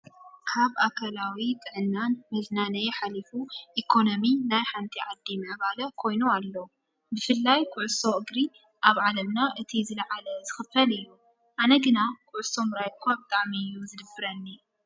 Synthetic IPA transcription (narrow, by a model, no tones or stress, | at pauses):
kʰaβakʰalawit̪ʼɨʕɨnːanmɨznanɐjħalifuʔikʰo̞nominajħant̪ʰiʕad̪ːimɐβalɐkʰo̞jnualːo | bɨfɨlːajkʰʊʕʊso̞ʔɨɡɾi | ʔaβʕalɐmnaʔɨt̪ʰizɨlɐʕalɐzɨxɨfɐlɨjːu | ʔanɐɡɨnakʰʊʕʊso̞mɾajkʰobɨt̪ʼaʕmijːuzɨd̪ɨbɨɾɐnːi